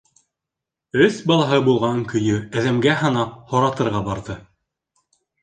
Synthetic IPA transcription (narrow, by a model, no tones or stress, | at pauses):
ɵθbɑlˠɑɦɤbulˠʁɑŋkɵ̆jɵæðæmɡæɦɤ̆nɑp̚hŏɾɑt̪ɤ̆ɾʁɑbɑɾðɤ